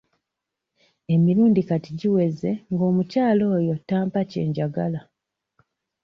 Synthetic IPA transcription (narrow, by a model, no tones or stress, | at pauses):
e̞miɾuːndikatiɟiwe̞ze̞ŋɡo̞ːmucaːlo̞ːjo̞taːmpace̞̰ːɲɟaɡala